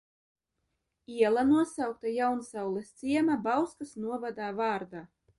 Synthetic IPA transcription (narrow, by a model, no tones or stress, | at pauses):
iɛlˠanuɔsawk̚t̪ajawnsawlˠest̪siɛmabawskasnuɔvad̪aːvaːɾd̪aː